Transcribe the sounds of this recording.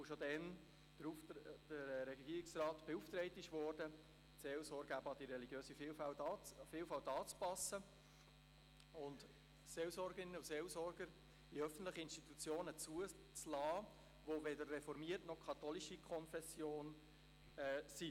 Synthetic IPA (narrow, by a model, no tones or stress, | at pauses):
ʊʃodɛn̥ | ud̥əɾɾɛɡɡiːɾiksrɑːt̪b̥euft̪ɾɛɪt̪ɪʃvɔrdə | selsɔːɾɡəæbəɑd̥̪iɾɛliɡjøːsifiːlfælɑfiːlfɑltɑːt͡spɑsə | ʊnt | seːlsɔɾɡəɾɪnːəuseːlsɔɾɡəɾ | iœfən̩t̪ləχiɪnstit̪ut͡sjoːnət͡suə | t͡slɑː | ʋovedərːɛfɔɾmiərtnɔχkʰɑt̪oliʃikʰɔnfɛsjoːn | ɛsi